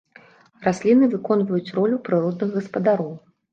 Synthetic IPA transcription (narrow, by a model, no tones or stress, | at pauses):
rasʲlʲinɨvɨkɔnvɐjut͡sʲrɔlʲupɾɨɾɔd̪̚nɨɣɣɐspɐd̪aɾɔw